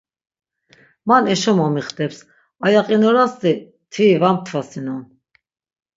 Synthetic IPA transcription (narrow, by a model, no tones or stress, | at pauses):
manɛʃɔmɔmiχt̪ʼɛps | ajaqʼinɔɾast̪i | t̪ʰvivamt̪ʰvasinɔn